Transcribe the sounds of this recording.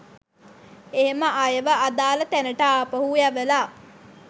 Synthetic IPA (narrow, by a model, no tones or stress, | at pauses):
eɦeməʔajəʋəʔad̪aːlət̪ænəʈaːpəɦujæʋəlaː